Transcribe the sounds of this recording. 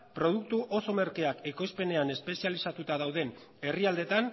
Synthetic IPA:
pɾo̞ð̞uk̚t̪uʔo̞so̞me̞ɾkeakeko̞jspe̞ne̞ane̞spe̞sialisat̪ut̪aðawðe̞n | e̞riald̪e̞t̪an

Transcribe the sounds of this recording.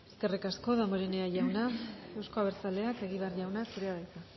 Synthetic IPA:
e̞ske̞rikasko̞ðamoɾene̞aʝawnae̞wsko̞aβeɾt͡sale̞ake̞ɣ̞iβearʝawnasuɾeaðajt̪a

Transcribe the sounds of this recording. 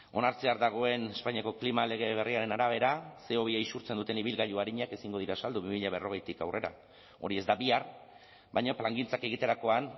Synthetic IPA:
o̞naɾt͡seaɾd̪aɣ̞o̞e̞ne̞spaɲiako̞klimale̞ɣ̞e̞β̞e̞riaɾe̞naɾaβ̞e̞ɾase̞o̞β̞iejsuɾt͡send̪ut̪e̞niβ̞ilɣaʎuaɾiɲake̞siŋɡo̞ð̞iɾasald̪uβimiʎaβ̞e̞ro̞ɣ̞ejt̪ikawre̞ɾa̰ | o̞̰ɾie̞zd̪aβiar | bajɲaplaŋɡint͡sake̞ɣ̞it̪e̞ɾako̞an

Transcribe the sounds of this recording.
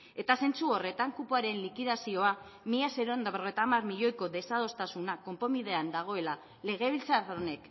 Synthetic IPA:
e̞t̪ase̞nt͡suo̞re̞t̪aŋkupuaɾe̞nlikiðasio̞a | miʎaseɾond̪aβerɣe̞jt̪amarmiʎo̞jko̞ðe̞sað̞o̞st̪asunako̞mpo̞miðe̞and̪aɣ̞o̞e̞la | le̞ɣ̞e̞β̞ilt͡sarone̞k

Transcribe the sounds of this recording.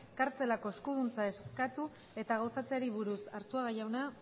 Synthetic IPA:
kaɾt͡se̞lako̞eskuð̞unt͡sae̞skat̪u | e̞t̪aɣ̞awsat͡seaɾiβuɾusaɾsuaɣajawna

